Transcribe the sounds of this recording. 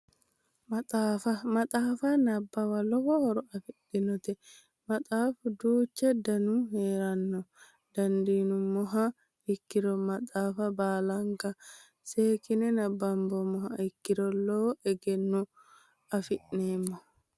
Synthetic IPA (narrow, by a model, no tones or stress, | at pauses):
mɐt̪ʼaːfɐmɐt̪ʼaːfɐnɐbːɐwɐlɔwɔhɔɾɔɐfɪɗɪnɔt̪ɛ | mɐt̪ʼaːfd̪uːt͡ʃːɛd̪ɐnʊɦeːɾɐnːɔ | d̪̥ɐnd̪iːnʊmːɔɦɐ | ɪkːɪɾɔmɐt̪ʼaːfɐbaːlɐŋkɐ | seːkɪnɛnɐbːɐmbɔmɔhɐɪkːɪɾɔlɔʔɛɡɛnːu | ɐfɪʔneːmːɔ